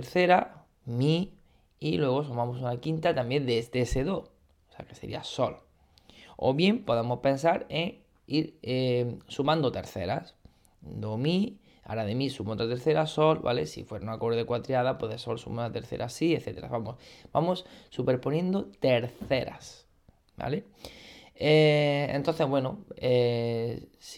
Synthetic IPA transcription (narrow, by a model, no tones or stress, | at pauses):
eɾθe̞ɾa | mi | ilwe̞ɣ̞o̞sumãmo̞s̬unakint̪at̪ambje̞nd̪est̪eeseðo | oseake̞se̞ɾḭa̰so̞l | o̰βje̞mpo̞ðemo̞spẽ̞ns̬aɾeŋ | iɾesumãnd̪ot̪e̞ɾθe̞̰ɾa̰s | d̪o̞mi | a̰ɾaðe̞misumot̪ɾat̪eɾθe̞ɾaso̞lβa̰le̞̰sḭfwe̞ɾaunako̞ɾðekwat̪ɾjaðapweðeso̞lsṵmoat̪e̞ɾθe̞̰ɾʔasieθe̞t̪e̞ɾa̰βamosb̥amo̞sːupe̞ɾponjẽ̞nd̪ot̪e̞ɾθe̞ɾa̰s | ba̰le̞ | eḛ̃nt̪onθe̞zβwe̞noe | s